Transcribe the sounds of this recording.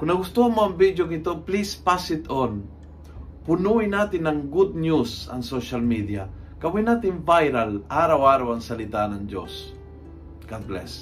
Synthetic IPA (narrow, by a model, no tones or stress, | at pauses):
kʊnːɐɡʊst̪uamoɐŋvid̪jokɪt̪oplispasɪt̪on | pʊnuinaːt̪ɪnɐŋɡud̪̚njusɐ̰ŋsoʃalmid̪iakɐwinaːt̪ɪnvajɾalaɾawaːɾawɐŋsɐlɪt̪anɐŋd͡ʒo̰s | ɡ̥ad̪̚blɛ̰s